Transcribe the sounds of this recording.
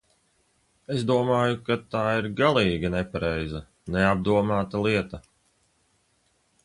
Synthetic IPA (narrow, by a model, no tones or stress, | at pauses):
e̞sd̪uɔmaːjukat̪aːiɾɡalˠiːɡanɛpaɾɛjzɐ | neab̚d̪uɔmaːt̪alˠiɛt̪ɐ